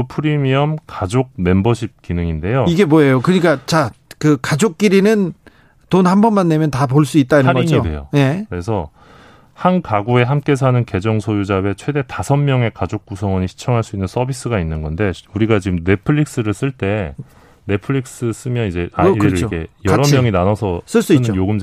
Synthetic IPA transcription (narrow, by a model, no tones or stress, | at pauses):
pʰɯɾimiʌmkad͡ʑok̚ne̞mbʌɕʰip̚k͈inɯŋinde̞joiɡe̞mwoejokɯɲik͈at͡ɕakɯkad͡ʑok̚k͈iɾinɯn | tonhambʌnmanːe̞mjʌntap̬oɭs͈uit̚t͈aiɯaɡɾɲidwe̞̰jo̰je̞kɯɾe̞s̬ʰʌ | hankaɡue̞ɦamk͈e̞s̬ʰanɯnke̞d͡ʑʌŋsʰojud͡ʑabe̞t͡ɕʰwe̞de̞tasʰʌnmjʌŋe̞kad͡ʑok̚k͈usʰʌŋwʌɲiɕʰi̥t͡ɕʰʌŋɦaɭs͈uinːɯns͈ʰʌbis͈ɯɡainːɯnɡʌnde̞uɾiɡat͡ɕiɡɯmne̞pʰɯɭːik̚s͈ɯɾɯɭs͈ɯɭt͈e̞ | ne̞pʰɯɭik̚s͈ɯs͈ɯmjʌnid͡ʑe̞aiɾɾɯioɡe̞jʌɾʌmjʌŋinanʌsʰʌs͈ɯɭs͈uit͡ɕojoɡɯm